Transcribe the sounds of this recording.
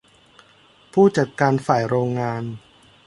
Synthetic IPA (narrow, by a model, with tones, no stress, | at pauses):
pʰuː˥˩t͡ɕa˨˩t̪̚kaː˧nfaː˨˩jɾoː˧ŋːaː˧n